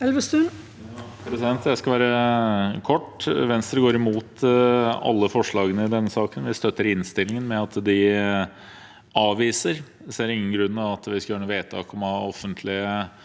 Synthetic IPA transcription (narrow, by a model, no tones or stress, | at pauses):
ɛlʋəst̪ʉn | pʰɾɛsɪd̪ɛnt̪jæɪskɑlʋæːɾəkʰɔʈːʋɛnsɾəɡoːɾɪmuːt̪ | ɑ̰lːəfɔʂɭɑːɡənəɪd̪ɛnːəsɑːkənʋɪst̪œt̪ːəɾɪnst̪ɪlːɪŋənmɛɑt̪d̪ɪ | ɑːʋiːsəɾ | seɾɪŋːənɡɾʉnːɑʋɑt̪ʋɪskɑjøːɳuːʋeːt̪ʰɑ̰ːkɔmɑɔfːənt̪ʰlɪə